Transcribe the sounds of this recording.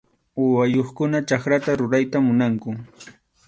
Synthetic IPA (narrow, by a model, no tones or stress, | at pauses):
ʊwajoχkʊnat͡ʃakɾat̪aɾʊɾajt̪amʊnaŋkʊ